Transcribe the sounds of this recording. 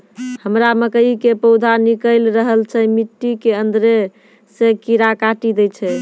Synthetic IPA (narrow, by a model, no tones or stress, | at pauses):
həmɾaməkəikepəwd̪ʱanikəjlɾəɦəlt͡ʃʰɛmiʈːikeənd̪ɾe | sekiɾakaʈid̪ɛt͡ʃʰɛ